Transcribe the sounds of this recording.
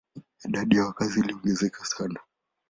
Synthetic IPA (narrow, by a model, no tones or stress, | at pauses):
iɗaɗijawakaziliɔŋɡɛzɛkasana